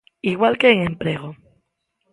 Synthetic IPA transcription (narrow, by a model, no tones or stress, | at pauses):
iɣwalkeːŋẽmpɾe̞ɣ̞o